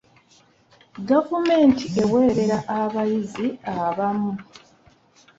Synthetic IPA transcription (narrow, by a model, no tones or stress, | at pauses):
ɡavume̞ːntie̞we̞ːɾe̞ɾaʔaβajiziaβamu